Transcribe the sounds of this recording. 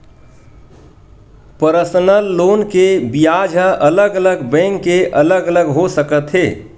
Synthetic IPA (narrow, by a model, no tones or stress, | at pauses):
pəɾəsənəlːoːnkebijad͡ʒʱəʔələɡələɡbɛ̃ŋkːeʔələɡələɡɦosəkət̪ɦeː